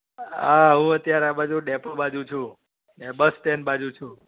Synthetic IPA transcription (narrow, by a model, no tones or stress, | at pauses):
aɦũət̪jaɾeabad͡ʒuɖepobad͡ʒũt͡ʃʰũ | nebəsʈenbad͡ʒũt͡ʃʰũ